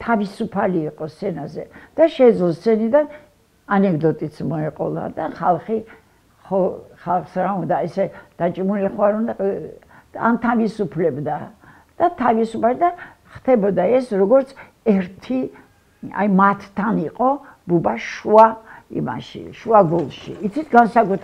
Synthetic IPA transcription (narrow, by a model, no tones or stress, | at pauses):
t̪ʰavisupʰaliːqʼɔst̪sʰɛnazɛ̰d̪̥aʃɛd̪zlˠɔst̪sɛnid̪an | anɛkʰd̪ɔt̪ʼit̪smɔɛqʼɔ̰lˠa̰d̪aχalˠχi | χɔχalˠχsɾaund̪aɛsɛd̪̥at͡ʃʼmuliχwaɾuna | a̰nt̪ʰavisupʰlɛbd̪a | d̪̥at̪ʰavisupʰaɾid̪a | χt̪ʰɛbɔd̪aɛsɾɔɡɔɾt̪sʰ | ɛɾt̪ʰi | a̰imat̪ʰt̪ʰːaniqʼɔbubaʃuaḭma̰ʃḭʃuaɡɔlˠʃḭːt̪sʰit̪ʰɡansakʼut̪ʰ